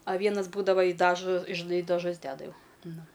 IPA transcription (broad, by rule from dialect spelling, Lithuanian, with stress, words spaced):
ɐ ˈʋʲiɛnɐs ˈbuːdɐʋɐ ɪ ˈdɑːʒoː ʒʲɪˈnɐɪ ɪ dɐˈʒʊs ˈdʲæːdɐ ˈjɛʊ ˈnʊ